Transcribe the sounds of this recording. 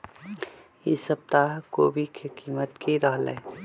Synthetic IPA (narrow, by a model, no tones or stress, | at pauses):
jɪsəp̚t̪aɦkoːbʱikʰekiːmət̪kiɾəɦlɛ̰ː